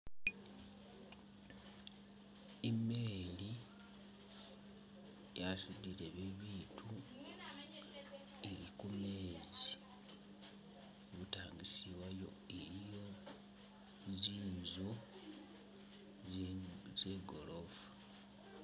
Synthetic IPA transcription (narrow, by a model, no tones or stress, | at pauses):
emeːli | jasudileβeβiːtʰu | eɾikumeːzi | βutaːŋɡisiβajo̞̰ | eɾijo | ziːzo | ze̞ːɡolofu̥